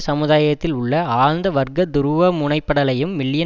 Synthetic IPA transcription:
sɐmɯðaːjɐt̪ːɪlʊɭːɐaːɻnd̪ɐʋɐɾɡɐd̪ʊɾɯʋɐmʊɳɐɪpːɐɽɐlɐjɯmːɪɭɪjɐ

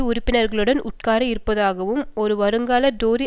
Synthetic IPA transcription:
ʊɾɪpːɪnɐɾɣɐɭɯɽɐnʊ̰ʈ̚kaːɾɐɪɾɯpːɐðaːɣɐʋɯmɔɾɯʋɐɾɯŋɡaːlɐɖoːɾi

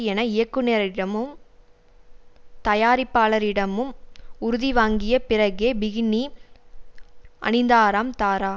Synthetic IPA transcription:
ɛnɐɪjɐkːɯneːɾɐɪɽɐmɯm | t̪ɐjaːɾɪpːaːɭɐɾɪɽɐmɯmʊɾʊðiʋaːŋɡɪjɐpɪɾɐɣeːbɪɣɪni | ʔɐ̰nɪnd̪aːɾaːmt̪aːɾaː

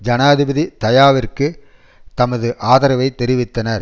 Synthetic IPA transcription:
d͡ʒɐnaːɐðɪbɐðit̪ɐjaːʋɪrkɯ | t̪ɐmɐðɯʔaːðɐɾɐʋɐɪt̪ːɛɾɪʋɪt̪ːɐnɐɾ

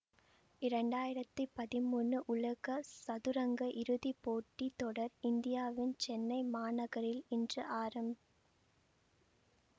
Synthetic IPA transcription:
ɪɾɐɳɖaːjɪɾɐt̪ːɯpːɐðɪmuːnːɯʔʊɭɐɣɐsɐðɯɾɐŋɡɐʔɪɾɯðipːoːʈːit̪ɔɽɐɾɪnd̪ɪjaːʋɪnt͡ʃɛnːɐɪmaːnɐɣɐɾɪlɪndrɯʔaːɾɐmb

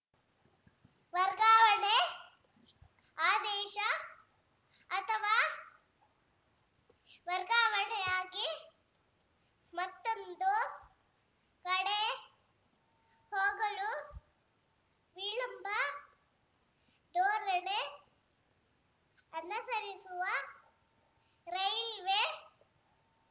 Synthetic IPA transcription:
ʋɐɾɡaːʋɐɳe | aːd̪ɛːʃɐ | ɐt̪ʰɐʋaː | ʋɐɾɡaːʋɐɳɛjaːɡi | mɐt̪ːond̪u | kɐɽe | hoːɡɐlu | ʋiɭɐmbʱɐ | d̪oːɾɐɽe | ɐnɐsɐɾisuʋɐ | ɾɐjlʋe

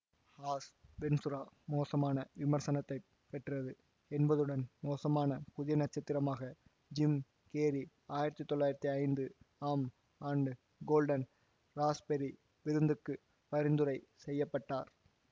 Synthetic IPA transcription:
haːsʋɛnsɯɾaːmoːsɐmaːnɐʋɪmɐɾsɐnɐt̪ːɐɪ | pːɛʈrɐðɯ | ɛnbɐðɯɽɐnmoːsɐmaːnɐpʊðɪjɐnɐʈ̚t͡ʃːɐt̪ːɪɾɐmaːɣɐ | d͡ʒɪm | keːɾi | aːjɪɾɐt̪ːɯt̪ːɔɭːaːjɪɾɐt̪ːiɐɪnd̪ɯaːm | aːɳɖɯ | ɡoːlɖɐn | ɾaːspɛɾi | ʋɪɾɯnd̪ɯkːɯ | pɐɾɪnd̪ɯɾɐɪsɛjːɐpːɐʈːaːɾ

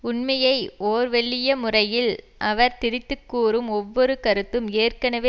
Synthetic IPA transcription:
ʊɳmɐjɐɪʔoːɾʋɛɭːɪjɐmʊrɐjɪl | ʔɐʋɐɾt̪ɪɾɪt̪ːɯkːuːrɯmɔʋːɔɾɯkɐɾɯt̪ːɯmeːrkɐnɐʋeː

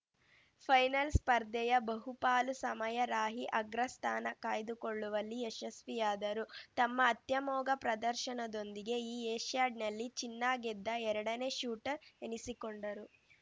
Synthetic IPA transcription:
pʰɐjnɐlspɐɾd̪ɛjɐbɐɦupaːlusɐmɐjɐɾaːɦiʔɐɡɾɐst̪ʰa̰ːnɐkaːjd̪ukoɭːuʋɐlːiɛʃɐsʋijaːd̪ɐɾut̪ɐmːɐːt̪jɐmɔːɡɐpɾɐd̪ɐɾʃɐnɐd̪o̞nd̪iɡe̞iːeːʃjaːɖ̚nɐlːit͡ʃinːaːɡɛd̪ːɐɛɾɐɽɐne̞ːʃuːʈɐɾenisikoɳɖɐɾu

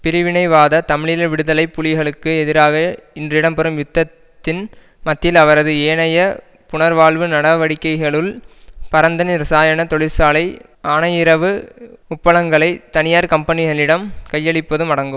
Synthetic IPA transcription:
pɪɾɪʋɪnɐɪʋaːðɐt̪ɐmɪɭɪlɐʋɪɽɯðɐlɐɪpːʊlɪɣɐɭɯkːɯɛðɪɾaːɣɐɪndrɪɽɐmpɛɾɯmjʊt̪ːɐt̪ːɪn | mɐt̪ːɪlɐʋɐɾɐðɯeːɳɐjɐ | pʊɳɐɾʋaːɭʋɯnɐɽɐʋɐɽɪkːɐɪɣɐɭɯlpɐɾɐnd̪ɐnɪɾɐsaːjɐnɐt̪ɔɭɪɾsaːlɐɪ | aːnɐjɪɾɐʋɯʊpːɐlɐŋɡɐɭɐɪt̪ɐnɪjaːɾkɐmpɐnɪɣɐɭɪɽɐmkɐjːɐɭɪpːɐðɯmɐɽɐŋɡɯm

